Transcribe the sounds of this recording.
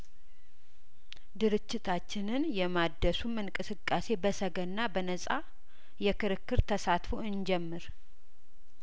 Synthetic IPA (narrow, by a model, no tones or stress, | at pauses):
d̪ɨɾɨd͡ʒːɪt̪ʰat͡ʃːɪnɨnjɛmad̪ːəsumɨŋkʼɨsɨkʼːase̞bəsəɡənːabənəsʼa | jɛkʰɨɾɨkːɨɾt̪ʰəsat̪foɨnd͡ʒɛmːɨɾ